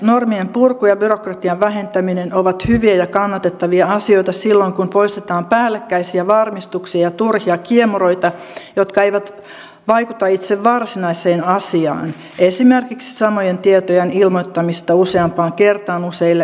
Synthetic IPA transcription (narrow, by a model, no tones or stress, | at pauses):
normiempurkujɑbyrokrɑt̪iɑʋʋæɦent̪æminenoʋɑt̪hyʋiæjɑkɑnːɑt̪et̪ːɑʋiɑɑsio̞it̪ɑsilːoiŋkumpoist̪et̪ɑːmpæːlːekːæisiæʋɑrmist̪uksiɑjɑt̪urhiɑkiemuro̞it̪ɑ | jot̪kɑeiʋæt̪ | ʋɑikut̪ɑit̪seʋʋɑrsinɑiseːnɑsiɑ̰ːn | esimerkiksi̥sɑmojent̪iet̪ojenilmot̪ːɑmist̪ɑuseɑmpɑːŋkert̪ɑːnuseilːe